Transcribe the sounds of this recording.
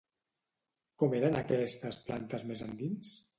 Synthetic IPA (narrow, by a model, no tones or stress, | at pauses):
kɔmeɾənakɛst̪əsplant̪əzmezand̪ins